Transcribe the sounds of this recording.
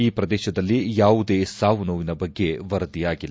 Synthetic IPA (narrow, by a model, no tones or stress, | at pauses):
iːpɾɐd̪ɛːʃɐd̪ɐlːijaːʋud̪eːsaːʋunoːʋinɐbɐɡːe̞ʋɐɾɐd̪ijaːɡilː